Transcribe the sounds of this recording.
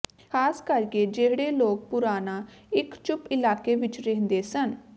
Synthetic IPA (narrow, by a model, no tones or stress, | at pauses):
kʰaːskəɾkeːd͡ʒeːɦɽeːloːk̚pʊɾaːnaː | ɪkt͡ʃʊpɪlaːkeːʋɪt͡ʃɾeɦnd̪eːsən